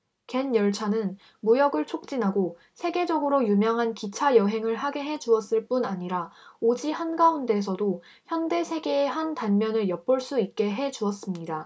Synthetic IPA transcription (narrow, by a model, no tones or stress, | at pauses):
ke̞njʌɭt͡ɕʰanɯn | mujʌɡɯɭt͡ɕʰok̚t͡ɕ͈inɦaɡo | sʰe̞ɡe̞d͡ʑʌɡɯɾojumjʌŋɦankit͡ɕʰajʌɦe̞ŋɯɭɦaɡe̞ɦe̞d͡ʑuʌs͈ɯɭp͈unaɲiɾaod͡ʑihanɡaunde̞s̬ʰʌdo | çjʌnde̞sʰe̞ɡe̞ːɦantanmjʌnɯɭjʌp͈ɯɭs͈uit̚k͈e̞ɦe̞d͡ʑuʌs͈ɯmɲida